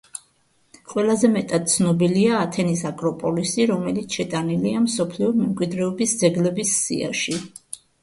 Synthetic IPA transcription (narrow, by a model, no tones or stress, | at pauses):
qʼwɛlˠazɛmɛt̪ʼad̪̚t̪sʰnɔbiliaːt̪ʰɛnisakʼɾɔpʼɔlisiɾɔmɛlit̪sʰʃɛt̪ʼaniliamsɔpʰliɔmɛmkʼwid̪ɾɛɔbisd̪zɛɡlɛbisːḭa̰ʃi